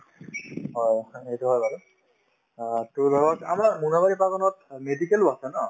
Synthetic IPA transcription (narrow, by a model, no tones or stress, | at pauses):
ɦɔjxejtuɦɔjbalu | tʊɹbʱaɡɔta̰maɹmunabaɹipakɔnɔtmedikɛluasɛnɔ